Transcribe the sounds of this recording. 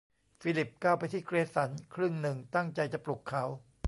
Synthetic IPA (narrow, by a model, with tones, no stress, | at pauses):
fiː˧˥li˨˩p̚kaː˥˩wpa˧jt̪ʰiː˥˩kʰɾeː˧sa˩˦nkʰɾɯ˥˩ŋnɯ˨˩ŋt̪a˥˩ŋt͡ɕa˧jt͡ɕa˨˩plu˨˩kʰːa˩˦˥w